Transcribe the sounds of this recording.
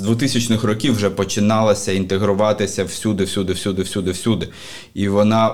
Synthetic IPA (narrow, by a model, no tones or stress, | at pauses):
d̪ʋʊt̪ɪsʲɐt͡ʃnɪxrɔkʲiwʒɛpɔt͡ʃɪnɑlˠɐsʲɐint̪eɦɾʊʋɑt̪ɪsʲɐwsʲud̪ɪwsʲud̪ɪwsʲud̪ɪwsʲud̪ɪwsʲud̪ɪ | iʋɔnɑ